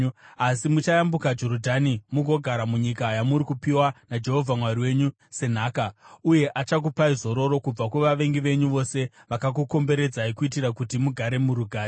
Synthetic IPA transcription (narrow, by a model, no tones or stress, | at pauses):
asimut͡ʃajambukad͡ʒo̞ɾodʱanimuɡʱo̞ɡʱaɾamuɲikajamuɾikupiwanad͡ʒe̞ɦo̞vʱamwaɾiwe̞ɲu | se̞n̤aːkauje̞ʔat͡ʃak̬upaizo̞ɾo̞ɾo̞kub͡vakweʋaʋe̞ŋɡiʋe̞ɲuʋo̞se̞ʋakak̬uko̞mbe̞ɾe̞d͡zaikuitiɾakutimuɡʱaɾe̞muɾuɡʱaːɾe